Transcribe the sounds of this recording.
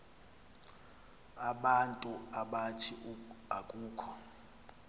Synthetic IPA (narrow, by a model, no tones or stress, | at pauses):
aɓantʼuaɓatʰiakʼuːkʰɔ̥